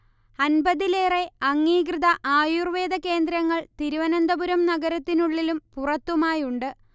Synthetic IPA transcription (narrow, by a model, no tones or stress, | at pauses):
ɐnbɐðile̞ːre̞ɐŋːiːɡrɨðɐʔaːjurʋe̞ːd̪ɐke̞ːnd̪ɾɐŋːɐɭt̪iɾuʋɐnɐnd̪ɐbuɾɐmnɐɡɐɾɐt̪ːinuɭːilumpurɐt̪ːumaːjuɳɖɨ